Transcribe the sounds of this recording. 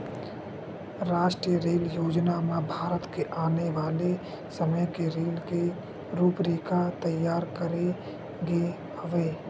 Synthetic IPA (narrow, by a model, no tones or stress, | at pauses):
ɾaːʃʈɾijəɾeːljoːd͡ʒnamãbʱaːɾət̪keʔaːneʋaːle | səməjkeɾeːlke | ɾuːpɾeːkat̪əjːaːɾkəɾe | ɡe | həʋeː